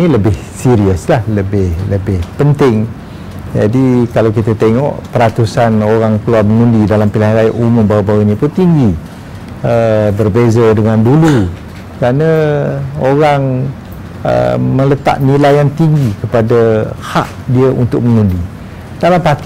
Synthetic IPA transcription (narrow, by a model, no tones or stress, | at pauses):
iləbɪhsiɾiəslahləbɪhləbɪhpənt̪ɪŋ | d͡ʒadikalawkit̪at̪eŋɔ̰ʔpəɾat̪usanoɾaŋkəluarməŋũndidalampilaɦaɾajaʔumʊmbawabawunĩpʊnt̪iŋɡi | əbərbezadəŋãndulu | kəɾanə̃ | oɾaŋ | ə̰mə̃lət̪a̰ʔ̚nilajaŋt̪iŋɡikəpadaha̰ʔ | diəʔunt̪ʊk̚məŋundi | d̥alampat̪